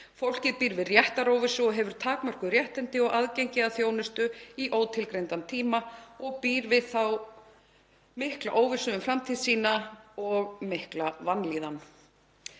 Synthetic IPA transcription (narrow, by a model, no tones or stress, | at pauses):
fowl̥cɪðpiːɾvɪðrjɛht̪aɾoːwvɪsʏɔɦɛvʏɾ̥t̪ʰaːkmœr̥kʏɾjɛht̪ɛnt̪ɪɔɣaðcejɲcɪaðθjoːwnʏst̪ʏiʔoːwt̪ʰɪlkɾejnt̪ant̪ʰiːmaɔɣpiːɾvɪðθaw | mɪhkla̰ʔoːwvɪ̥sʏʏmfɾamt̪ʰiðsiːnaɔɣmɪhklavanliːðan